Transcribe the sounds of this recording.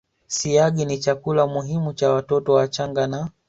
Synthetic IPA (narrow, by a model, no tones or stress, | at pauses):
siaɠinit͡ʃakulamuɦimut͡ʃawatɔtɔwat͡ʃaŋɡana